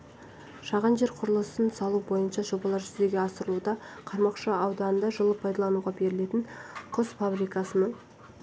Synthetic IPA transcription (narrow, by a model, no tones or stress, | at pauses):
ʃɑʁɑnʒe̞ɾqʰʊɾəlˠəsənsɑlˠubo̞jənʃɑʒo̞bɑlˠɑɾʒʏzd̪e̞ɡʲe̞ɑsəɾəlˠud̪ɑqʰɑɾmɑqʃɑɑwd̪ɑnənd̪ɑʒəlˠəpʰɑjd̪ɑlˠɑnuʁɑbe̞ɾɪle̞t̪ɪɴqʰʊsfabɾijkɑsənəɴ